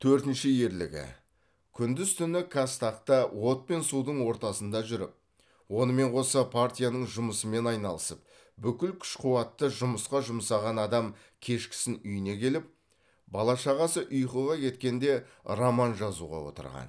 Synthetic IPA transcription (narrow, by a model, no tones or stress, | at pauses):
t̪ʰɵɾt̪ɪnʃɪje̞ɾlɪ̰ɡʲɪ̰ | kʲʰʏnd̪ɪzt̪ʰʏnɪkʰast̪ɑqt̪əwo̞t̪̚pe̞nsud̪əɴwo̞ɾt̪ɑsənd̪ɑʒʏɾɪ̰p̚ | wo̞nəme̞ɴqʰo̞sɑpʰart̪ʲijanəɴʒʊməsəme̞nɑjnɑlˠəsəp̚ | bʏkʲɪlkʲʰʏ̥ʃqʰʊwɑt̪ːəʒʊməsqɑʒʊmsɑʁɑnɑd̪ɑm | kʲʰe̞ʃkʲɪ̥sɪnʏjɪne̞kʲʰe̞lɪp̚ | bɑlˠɑʃɑʁɑsəʔʊjqəʁɑkʲʰe̞t̪kʲe̞nd̪e̞ | romɑnʒɑzṵʁɑ̰wo̞̰t̪ə̰ɾʁɑ̰n